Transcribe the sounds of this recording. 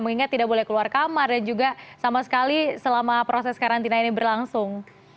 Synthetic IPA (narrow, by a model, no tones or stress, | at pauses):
məŋiŋat̪ːidaʔbolɛhkəluarkamardand͡ʒuɡasamasə̥kalisəlamapɾosɛskaɾant̪inainibərlaŋsʊŋ